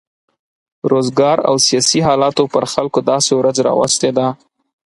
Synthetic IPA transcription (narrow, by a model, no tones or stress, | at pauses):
ɾozɡɑɾa̰wsijɑsiɦɑlɑt̪opəɾxalkod̪ɑsewɾad͡zɾɑ̰wa̰st̪ed̪a